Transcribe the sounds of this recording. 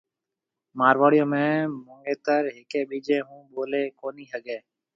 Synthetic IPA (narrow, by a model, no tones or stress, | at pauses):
maːɾʋaːɽɪjõːmẽːmʊŋɡeːt̪əɾɦɪkeːɓiːd͡ʒeːɦũːɓoːleːkoːniːɦəɠeː